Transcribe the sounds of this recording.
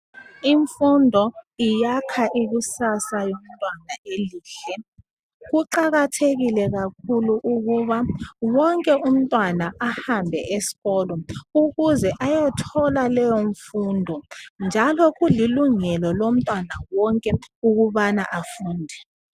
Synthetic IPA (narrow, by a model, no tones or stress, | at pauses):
iɱfundʱɔijakʰaʔiɣusasajom̩tʼwanaeliːɬɛ | ɣuǃaɣatʰeɣilɛɣakʰuluʔuɣuβawɔŋkʼɛum̩tʼwanaahambʱɛʔesi̥ɣɔːlɔuɣuzɛʔajɔtʰɔlalɛjoɱfundʱɔnd͡ʒʱalɔɣuliluŋɛlɔlom̩tʼwanawɔŋkʼɛuɣuβanaʔafuːndʱɛ